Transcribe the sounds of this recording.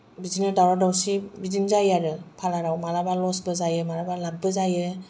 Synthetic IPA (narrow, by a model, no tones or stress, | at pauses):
bizinɯdawɾadawsibizinzajaɾɯpʰalaɾawmaɾabalɔsbɯzajɯmaɾabalaɡ̚bɯzajɯ